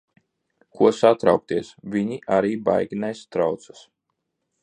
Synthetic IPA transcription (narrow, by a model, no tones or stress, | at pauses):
kuɔsat̪ɾawk̚t̪iɛsvʲiɲiʔaɾiːba̰jɡʲinajst̪ɾawt̪sḁs